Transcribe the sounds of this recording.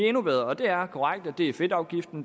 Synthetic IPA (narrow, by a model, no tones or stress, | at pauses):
enuʋeð̞ˠɒ̽d̥e̝æɐkʰɒʁaɡ̥d̥æd̥e̝æɐfe̝d̥ɑ̈ʊɡ̥ifd̥n̩